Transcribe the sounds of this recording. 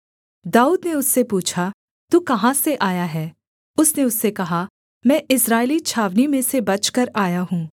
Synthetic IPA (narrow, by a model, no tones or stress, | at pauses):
d̪aːuːd̪neʊsːepuːt͡ʃʰa | t̪uːkɐɦãseʔaːjaɦɛː | ʊsneʊsːekɐɦa | mɛ̃ːʔɪsɾaːɪlit͡ʃʰaːʋnimẽsebɐt͡ʃkɐɾaːjaɦũː